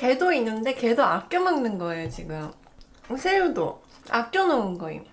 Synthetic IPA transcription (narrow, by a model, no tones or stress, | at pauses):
ke̞doinːɯnde̞ke̞doak͈jʌmaŋnɯnɡʌe̞jot͡ɕiɡɯm | sʰeɾodo̰ | a̰k̚k͈jʌnounɡʌḭ